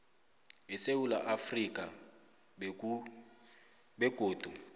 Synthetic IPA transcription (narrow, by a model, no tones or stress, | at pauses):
ɛsewula̰ʔafrikʼa | bɛɡ̥ʱʼoːd̥ʱu